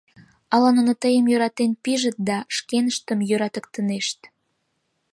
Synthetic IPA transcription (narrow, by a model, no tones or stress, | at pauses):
ɑlɑnonot̪əjəmjøɾɑt̪enpiʒət̪̚d̪ɑʃkenəʃt̪ə̆mjøɾɑt̪ə̆kt̪əneʃt̪